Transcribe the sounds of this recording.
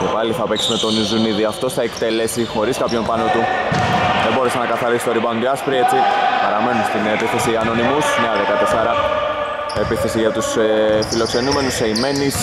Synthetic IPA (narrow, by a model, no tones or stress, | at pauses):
cepaliθɐpeksimet̪o̞nizuniðiɐft̪o̞sθɐekt̪e̞le̞sixo̞ɾiskɐpço̞mpɐno̞t̪u | ðeboɾesenɐkɐθɐɾisi̥t̪o̞ɾibɐond̪iɐspɾie̞t͡sipɐɾɐme̞nunst̪inepiθe̞siɐno̞nimusneɐðe̞kɐt̪esɐɾɐ | epiθe̞siʝɐt̪usefilo̞kse̞nume̞nuseime̞nis